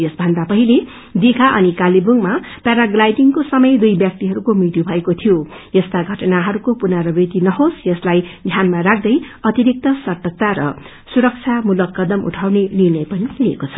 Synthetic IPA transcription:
jʌsbʱʌnd̪apʌɦile | d̪ikʰaʔʌnikalibuŋmapjaɾaɡlajɖiŋkosʌmʌjd̪ujbjʌk̚t̪iɦʌɾukomit̪ubʱʌekot̪ʰijojʌst̪aɡʱʌʈʌnaɦʌɾukopunaɾʌbet̪inʌɦosjʌslajɡ̪ʱjanmaɾak̚ʰd̪ʌjʌt̪iɾik̚t̪ʌsʌʈ̪ʌk̚t̪aɾʌ̰ | suɾʌk̚t͡sʰjamulʌkːʌd̪ʌmṵʈʰawnenirnʌjpʌniliekot͡sʰʌ̥

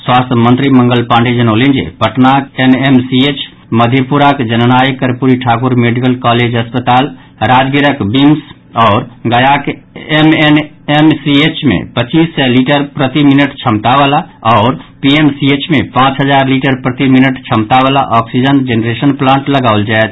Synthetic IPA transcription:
swast̪ʰmənt̪ɾimə̃ŋɡəlpãɳɖed͡ʒənolind͡ʒḛpəʈnakenemsiet͡ʃʰ | məd̪ʱjepuɾakd͡ʒənənajkəɾpuɾiʈʰakuɾmeɖikəlkɔled͡ʒəspət̪al | ɾad͡ʒɡiɾəkbims | ɔʊɾɡəjakemen | emsiet͡ʃmḛpət͡ʃisːɛliʈəɾpɾət̪iminəʈt͡ʃʰəmt̪aʋalaɔʊɾpiemsiet͡ʃmepãt͡ʃɦəd͡ʒaɾliʈəɾpɾət̪iminəʈt͡ʃʰəmt̪aβalaʔɔksid͡ʒənd͡ʒenɾesənplãɳʈləɡaʊld͡ʒaet̪ʰ

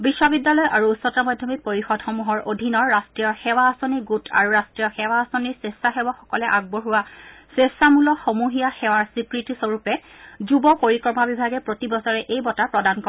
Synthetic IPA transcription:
bisːɔbidːalɔjʔaɹuːsɔtamɔjdʱjɔmipoɹixɔdxomuɦɔɹʔodʱinɔɹːastɹijɔxɛwaːsoniɡutʰa̰ɹuɹastɹijɔxɛwaːsoniɹsesaxebɔxɔkɔlɛʔaɡ̚boɦuwasesamulɔxomuɦijaxɛwaɹsikɹitisoɹupɛ | zubɔpoɹikɹɔmabibʱaɡɛpɹotibɔsɔɹɛʔejbɔtapɹɔdankɔ

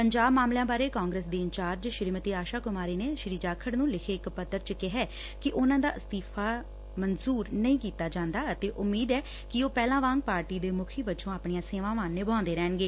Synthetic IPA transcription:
pəɲd͡ʒaːbmaːmlejãːbaːɾeːkaːŋɡɾeːsd̪eːɪɲt͡ʃaːɾd͡ʒʃɪɾiːmət̪iːaːʃaːkʊmaːɾiːneːʃɾiːd͡ʒaːkʰəɽnũːlɪkʰeːɪkpət̪ːəɾt͡ʃəkɪɦɛː | kɪʔʊnãːd̪a̰ːst̪iːpʰaː | mənzuːɾnəĩːkiːt̪aːd͡ʒãːnd̪aːət̪eːʔʊmːiːd̪ɛː | kɪoːpɛːlãːʋãːŋɡ̚paːɾʈiːd̪eːmʊkʰiːbət͡ʃõːaːpɳijãːseːʋãːʋãːnːeːbãːnd̪eːɾɛːnɡeː

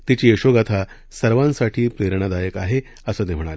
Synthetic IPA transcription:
t̪it͡ɕiːeɕoɡat̪ʰa | səɾʋãnsaʈʰiːpɾeɾɳ̃ad̪ajəkaɦe | əsəːt̪em̤əɽ̃aɾe

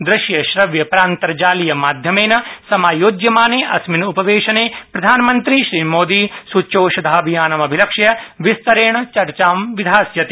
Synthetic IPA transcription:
d̪ɾɪʃjɐʃɾɐʋjɐpɾaːnt̪ɐɾɐd͡ʒaːlijɐmaːd̪ʱjɐmeːnɐsɐmaːjoːd͡ʒjɐmaːneːʔɐsminupɐʋeːʃɐneːpɾɐd̪ʱaːnɐmɐnt̪ɾiʃɾiːmoːd̪iːsut͡ʃoːʃɐd̪ʱaːbʱijaːnɐmɐbʱilɐkʂjɐʋist̪ɐɾeːɳɐt͡ʃɐɾt͡ʃaːmʋid̪ʱaːsjɐt̪e

